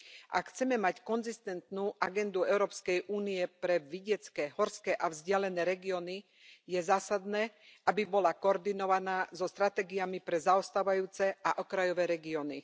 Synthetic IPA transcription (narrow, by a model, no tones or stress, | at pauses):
ʔa̰kxt͡sɛmɛmackɔnzist̪ɛnt̪nuːʔaɡɛnd̪uɛʊɾɔːpskɛjʔuːnijɛpɾɛʋiɟɛt͡skɛːɦɔɾskɛːʔavzɟɪalɛnɛːɾɛɡiɔni | jɛzaːsad̪nɛːʔabibɔlakɔːɾd̪inɔʋanaːzɔst̪ɾat̪ɛːɡijamipɾɛzaɔst̪aːʋajuːt͡sɛaʔɔkɾajɔʋɛːɾɛɡiɔni